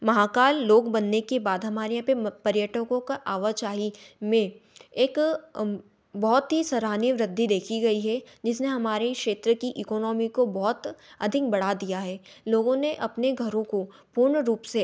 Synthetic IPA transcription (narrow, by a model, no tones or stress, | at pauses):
mɐɦaːkaːlːoːɡbɐnːekebaːd̪ɦɐmaːɾeɐ̃pepɐɾjəʈəkõkaʔaːʋət͡ʃaːɦimẽeːk | bɔɦɔt̪ɦisɐɾaːnjəʋɾɪd̪ʱːid̪eːkʰiɡɐiɦɛd͡ʒɪs̬neɦɐmaːɾekʃeːt̪ɾəkiʔiːkɔːnɔːmikobɔɦt̪ɐd̪ʱɪk̚bɐɽ̤ad̪ijaɦɛːloːɡõneʔɐpneɡʱɐɾõko | pʊɾɳəɾuːpse